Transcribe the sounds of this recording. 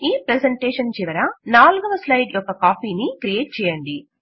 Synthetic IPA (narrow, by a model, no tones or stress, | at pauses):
iːpɾeseɳʈeːʂɐnt͡ʃiʋɐɾɐnaːluɡɐʋɐslɐjɖjʔɔkːɐkaːpiːnikɾijeːʈ̚t͡ʃɛːjɐɳɖi